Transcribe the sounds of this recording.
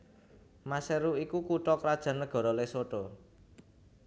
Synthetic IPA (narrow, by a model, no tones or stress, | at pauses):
maseɾuikukuʈɔkɾad̥ʒ̥a̤nəɡ̥ɔ̤ɾɔlesoɖɔ